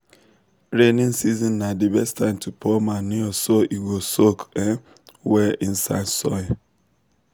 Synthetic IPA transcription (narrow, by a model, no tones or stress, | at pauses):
ɹenĩnsizɔ̃nːadibɛstʰãɪ̃mtʰupʰɔmaniɔsoʔiɡosokɛ | wɛĩn̩sa̰sɔ̰ja